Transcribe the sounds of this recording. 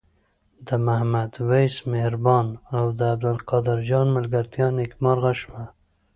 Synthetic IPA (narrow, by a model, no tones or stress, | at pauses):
d̪əmahmad̪wajsmehɾbɑnawd̪əːb̚d̪alqɑd̪ɪɾd͡ʒɑnmalɡaɾt̪jɑnekmɑɾɣaʃma